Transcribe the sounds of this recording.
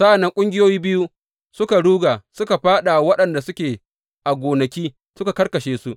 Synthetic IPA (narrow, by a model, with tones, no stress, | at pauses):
sa˦ʔa˨nːɐ˦ŋkʷʼʊ˦ŋɡʲɪ˦joː˦jiː˦bɪ˦ju˦ | sʊ˦ka˨ɽuː˦ɡaː˨sʊ˦ka˨ɸaː˦ɗa˨wɐ˦ɗɐ˨nda˨sʊ˦kʲeː˨ | ʔa˨ɡʷoː˨nɐ˨kʲiː˦ | sʊ˦ka˨kɐ˦rkɐ˨ʃeː˦su˦ʔ